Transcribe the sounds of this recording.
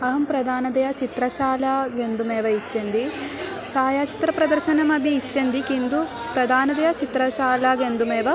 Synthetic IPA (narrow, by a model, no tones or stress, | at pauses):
ɐɦɐmpɾɐd̪aːnɐd̪ɐjat͡ʃit̪ɾɐʃaːlaːɡend̪umeːʋɐit͡ʃːɐnd̪i | t͡ʃaːjaːt͡ʃi̥t̪ɾɐpɾɐd̪ɐɾʃɐnɐmɐbʱiːt͡ʃːɐnd̪ikind̪u | pɾɐd̪ʱaːnɐd̪ɐjat͡ʃit̪ɾɐʃaːlaːɡend̪umeːʋɐ